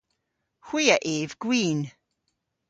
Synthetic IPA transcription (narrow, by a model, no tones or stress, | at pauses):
xwiːəʔeːvɡ̥wiːn